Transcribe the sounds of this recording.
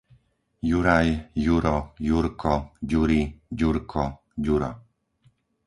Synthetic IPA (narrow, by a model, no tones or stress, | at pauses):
juɾajjuɾɔjuɾkʰɔd͡ʑuɾid͡ʑuɾkʰɔ | d͡ʑuɾɔ̰